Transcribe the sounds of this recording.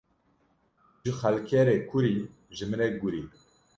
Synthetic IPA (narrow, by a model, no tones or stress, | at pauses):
ʒɨxælkʰɛɾeːkʰuɾiː | ʒɨmɨnɛk̚ɡuɾi